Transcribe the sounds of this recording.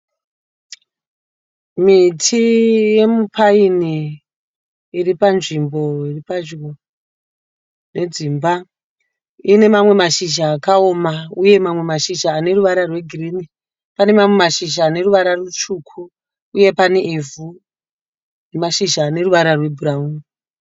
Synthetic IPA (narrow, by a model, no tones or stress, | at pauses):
mitʰije̞mupʰaini | ripanʐimbo̞iripad͡ʒo | ne̞d͡zimba | ine̞mamwe̞maʃiʒaːkao̞mauje̞mamwe̞maʃiʒaːne̞ruʋaɾarwe̞ɡʱiriːni | pane̞mamwe̞maʃiʒaːne̞ruʋaɾarut͡ʃukʰuː | je̞paneʔivu | nemaʃiʒaːne̞ruʋaɾarwe̞bʱurauni